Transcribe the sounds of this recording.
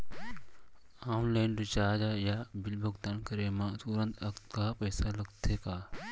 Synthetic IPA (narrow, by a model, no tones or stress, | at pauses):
aːnlaːnɾɪt͡ʃaːd͡ʒaːjaːbɪlbəɡt̪ənkəɾemãːt̪uɾə̃nt̪ʰɐkt̪kaːpɐːsalɐɡt̪ʰeːkaː